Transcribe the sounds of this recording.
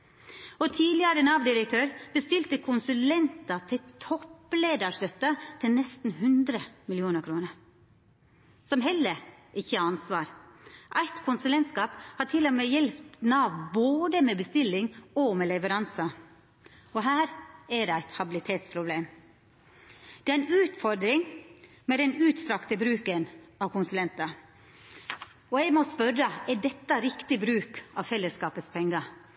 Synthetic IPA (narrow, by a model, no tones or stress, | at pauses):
ɔt̪ʰiːlɪɑɾənɑːʋd̪ɪɾəkt̪ʰøːɾb̥əst̪ɪlt̪əkʰʊnsʉlɛnt̪ɑt̪ʰɪlt̪ʰɔpːleːd̪ɑʂt̪œt̪ːət̪ʰɪlnɛst̪n̩ɦʉnd̪ɾəmɪlɪuːnəɾkʰɾuːnəɾ | sɔmɦɛlːə | ɪçːəɑɑnsʋɑːɾʔæɪt̪kʰʊnsʉlɛnt̪skɑːphɑʈʰɪlːɔmeːjɛlpt̪nɑːʋboːd̪əmeːbəst̪ɪlːɪŋɔmɛlɛʋəɾɑnsə | ɔɦæːɾæɖɛæɪt̪hɑbɪlɪt̪ʰeːt̪spʰɾʊbleːm | d̪̥ɛæɾæɪnʉːt̪fɔɾd̪ɾɪŋ | mɛd̪ɛnʉːt̪st̪ɾɑkt̪əbɾʉːkənɑʋkʰʊnsʉlɛnt̪ɑ | ɔɛɪɡmɔspœɾəɛɖɛt̪ːɑɾɪkt̪ɪbɾʉːkɑʋfɛlːəskɑːpəspʰɛŋːɑ